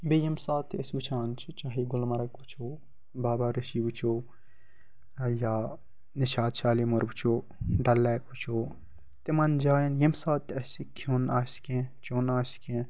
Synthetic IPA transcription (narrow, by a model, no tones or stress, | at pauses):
bejɐmsaːt̪ːɐsbut͡ʃʰaːnt͡ʃʰut͡ʃaːɦiɡʊlmɐɾɐkbut͡ʃʰoː | baːbaɾɐʃibut͡ʃʰoː | jaː | niʃaːd̪ʃaːlimoɾbut͡ʃʰoː | ɖɐlːeːkut͡ʃoː | t̪emɐnd͡ʒaːjɐnjɐmsaːt̪ːɐsikʰoːnaːskẽt͡ʃʰoːnaːsi̥kẽ